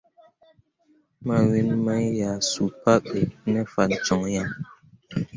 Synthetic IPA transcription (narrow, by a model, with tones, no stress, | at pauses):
ma˦˨wi˦nma˦jja˨su˨pa˦ɓe˨nɛ˦fa˨n̩˨t͡sɔ˨ŋja˦˨ŋ